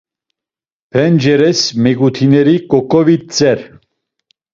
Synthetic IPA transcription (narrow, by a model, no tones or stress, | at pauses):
pʰɛnd͡ʒɛɾɛsmɛɡut̪ʰinɛɾikʼɔkʼɔvit͡sʼɛɾ